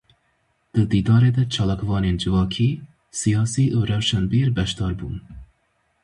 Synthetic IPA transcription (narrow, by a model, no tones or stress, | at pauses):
d̪̥ɨd̪iːd̪ɑːɾeːd̪ɛt͡ʃʰɑːlɑːkvɑːneːnd͡ʒɨvɑːkʰiː | sijɑːsiːʔuːɾɛwʃɛnbiːɾbɛʃt̪ɑːɾbṵːn